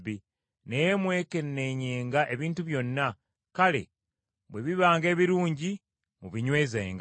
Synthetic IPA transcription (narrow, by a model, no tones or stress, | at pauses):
i | nejemwe̞ːke̞nːe̞ɲeːŋɡaʔe̞βiːntuβjo̞nːa | kale̞̰ | βweβiβaːŋɡe̞ːβiɾuːɲɟi | muβiɲwe̞ːzḛːŋɡ